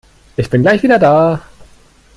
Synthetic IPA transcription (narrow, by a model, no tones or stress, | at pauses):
ʔɪçb̥ɪnɡlaɪçviːdɐdaː